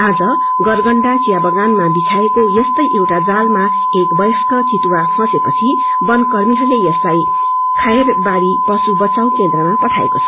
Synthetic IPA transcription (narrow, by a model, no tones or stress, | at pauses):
ad͡zʌ | ɡʌrɡʌɳɖat͡sijabʌɡanmabit͡sʰaekojʌst̪ʌjʔewʈad͡zalma | ekbʌjskʌt͡sit̪wakʰʌ̃sepʌt͡sʰi | bʌnkʌrmiɦʌlejʌslaj | kʰaerbaɾipʌsubʌt͡saw̃kend̪rʌmapʌʈʰaḛkot͡sʰʌ̥